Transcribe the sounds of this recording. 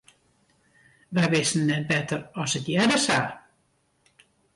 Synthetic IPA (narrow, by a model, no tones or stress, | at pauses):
ʋɛʋɪsn̩ːɛt̚bɛtərɔsətjɛdəsaː